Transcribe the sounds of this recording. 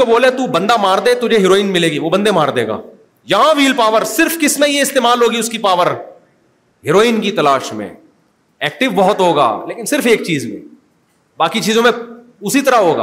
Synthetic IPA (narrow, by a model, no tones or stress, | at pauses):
oboːlet̪uːbɐ̃nd̪amaːɾd̪et̪ʊd͡ʒʱeɦɪɾoːiːnmɪleːɡiʋobɐ̃nd̪emaːɾd̪eːɡa̰ː | jɐɦãʋiːlpaːʋəɾsɪɾfkɪsnaijeɪst̪eːmaːlɦoːɡiʊskipaːʋəɾ | ɦɪɾoːiːnkit̪ɐlaːʃmḛ̃ | ɛːk̚ʈɪʋbɐɦʊt̪ɦoːɡa̰ːleːkɪnsɪɾfeːk̚t͡ʃiːzmḛ̃ | baːkit͡ʃiːzõmẽ | ʊsit̪ɐɾaɦoːɡa̰ː